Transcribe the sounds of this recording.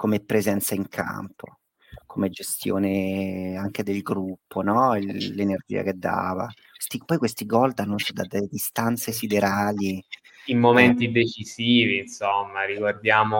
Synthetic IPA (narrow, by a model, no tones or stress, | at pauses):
komepːɾezɛnt̪saiŋkʰa̰mpʰo̰ | kʰomed͡ʒest̪jo̰ːneaŋk̟ed̪elɡɾupːonɔlenerd͡ʒḭːa̰k̟ed̪ːa̰ːva̰kwest̪ipɔjkwest̪iɡɔld̪anːut͡ʃid̪ad̪elːed̪ist̪ant̪sesid̪eɾaːli | imːoment̪id̪et͡ʃisiːviːnsomːaɾiɡward̪jaːmo